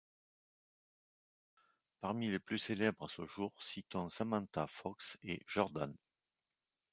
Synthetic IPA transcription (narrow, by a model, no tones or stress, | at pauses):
paʁmileplyselɛbʁasəʒuʁsit̪ɔ̃samɑ̃t̪afɔksḛʒ̥ɔʁd̪a̰n